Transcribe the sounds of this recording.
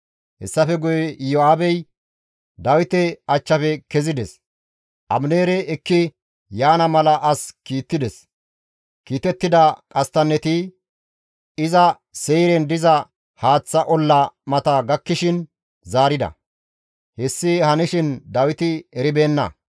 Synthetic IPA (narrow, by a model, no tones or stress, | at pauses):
hɛsːɐfɛɡʊjɛjoaːbɛj | d̪ɐwɪt̪ɛɐt͡ʃːɐfɛkɛzɪd̪ɛs | ʔɐmneːɾɛɛkːɪ | jaːnɐmɐlɐʔɐskiːt̪ːɪd̪ɛs | kiːt̪ɛt̪ːɪd̪ɐkʼɐst̪ɐnːɛt̪ɪ | ɪzɐ | sɛjɾɛnd̪ɪzɐ | haːt͡sːɐʔɔlːɐmɐt̪ɐɡɐkːɪʃɪn | zaːɾɪd̪ɐ̰ | hɛsːɪhɐnɪʃɪnd̪ɐwɪt̪ɪɛɾɪbe̞ːnːɐ̰